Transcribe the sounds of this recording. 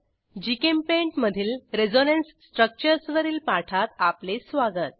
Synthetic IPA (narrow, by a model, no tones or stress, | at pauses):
d͡ʑikempeɳʈməd̪ʱiːlɾed͡zonensːʈɾək̚t͡ɕəɾsʋəɾiːlpaʈʰat̪aplesʋaɡət̪̚